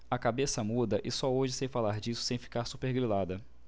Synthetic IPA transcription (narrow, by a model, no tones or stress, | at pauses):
ɐkabesɐmud̪ɐʔɪsɔoʒɪsẽjfalaɾd͡ʒisʊ̥sẽj̃fi̥kaɾsupeɾɡɾilad̪ɐ